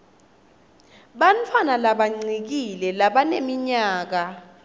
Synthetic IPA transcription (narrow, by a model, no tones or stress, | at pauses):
ɓantʰwanalaɓaŋ͡ǀik̬ilɛlaɓanemiɲaːk̬a